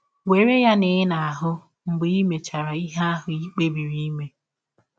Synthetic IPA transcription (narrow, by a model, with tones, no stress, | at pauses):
we˨ɾe˦ja˦nɪ˨˦na˨a˨ɦʊ˦ | m̩˨bi˦me˨t͡ʃa˨ɾa˨i˦ɦa˦ɦʊ˨i˦k͡pe˦bi˨ɾi˦me˨